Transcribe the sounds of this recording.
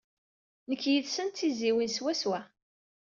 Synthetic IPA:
nəkːjiðsənt̪ːiziwinswæswæ

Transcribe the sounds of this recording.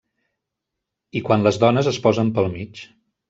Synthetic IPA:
ikwanləzðɔnəzəspɔzəmpəlˠmit͡ʃ

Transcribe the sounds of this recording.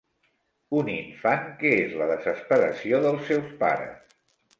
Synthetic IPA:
uniɱfaŋkəezləðəzəspəɾə̰sioðəlˠsɛwspa̰ɾə̰s

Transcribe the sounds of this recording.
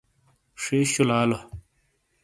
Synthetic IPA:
ʂeːɕulaːlo

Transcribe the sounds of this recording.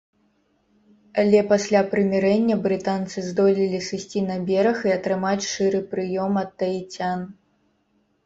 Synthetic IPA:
ɐlʲɛpasʲlʲapɾɨmʲɛɾɛnʲːɐbɾɨt̪ant̪sɨzd̪ɔlʲilʲisɨsʲt͡sʲinɐbʲɛɾɐxiɐt̪ɾɨmat͡sʲʂɨɾɨpɾɨjɔmɐt̪ːɐit͡sʲan

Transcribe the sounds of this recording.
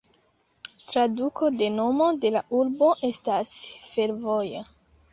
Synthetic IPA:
tɾadukʰo̞de̞no̞mo̞de̞laʔuɾbo̞ʔe̞stasfe̞ɾvo̞ja

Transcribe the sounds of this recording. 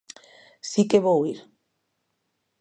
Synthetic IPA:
sikeβowiɾ

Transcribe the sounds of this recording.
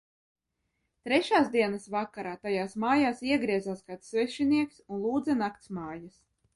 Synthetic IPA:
t̪ɾɛʃaːsd̪iɛnasvakːaɾaːt̪ajaːsmaːjaːsiɛɡɾiɛzaːsɡat̪svɛʃiniɛksunlˠuːd̪zɛnakt̪smaːjas

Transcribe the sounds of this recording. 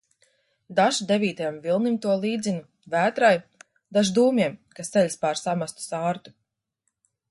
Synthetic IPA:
d̪aʒud̪evʲiːt̪ajamvilˠnimt̪uɔlˠiːd̪zʲinu | væːt̪ɾaj | d̪aʒd̪uːmʲiɛmkasselʲspaɾsamast̪u̥saːɾt̪u̥

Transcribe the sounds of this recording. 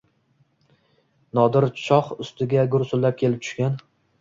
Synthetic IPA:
nɒd̪ɪɾt͡ʃʰɒχʊst̪ɪɡʲaɡʊɾsʊlːap̚kʲʰe̞lɪp̚t̪ʰʊ̥ʃkʲan

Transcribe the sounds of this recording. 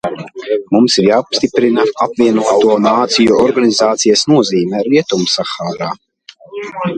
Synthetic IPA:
mumsiɾjaːupst̪ipɾinaapvʲiɛnuɔt̪uɔnaːt̪sijuɔɾɡanizaːt̪sijasnuɔziːmɛɾiɛt̪umsaxaːɾaː

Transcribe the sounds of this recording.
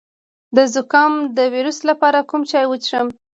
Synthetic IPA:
d̪əzʊkɑmd̪əwiɾuslapɑɾakumt͡ʃɑjwət͡ʃʂəm

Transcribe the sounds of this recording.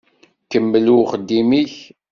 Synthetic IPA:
kəmːəluχəd̪ːimiç

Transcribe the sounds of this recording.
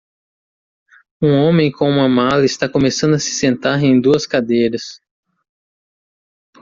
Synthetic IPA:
ũõmẽj̃kõũmɐmalɐɪst̪akõmesɐ̃nd̪ʊɐsɪ̥sẽnt̪aɾẽj̃d̪uɐskad̪ejɾɐs

